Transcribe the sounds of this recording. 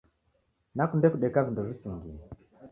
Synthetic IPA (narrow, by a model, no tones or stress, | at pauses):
nakundɛkuɗɛkavinduʐisiŋɡiɛ